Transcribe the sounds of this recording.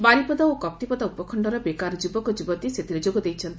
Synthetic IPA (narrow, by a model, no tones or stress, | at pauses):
baɾipɔd̪aokɔp̚t̪ipɔd̪aupɔkʰɔɳɖɔɾɔbekaɾɔd͡ʒubɔkɔd͡ʒubɔt̪iset̪iɾed͡ʒoɡɔd̪ejt͡ʃʰɔnt̪i